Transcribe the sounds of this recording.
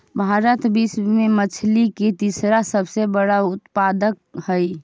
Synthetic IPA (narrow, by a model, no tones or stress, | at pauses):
bʱaɾət̪bismemət͡ʃʰliket̪isɾasəbsebəɽaʊt̪pad̪ək̚həj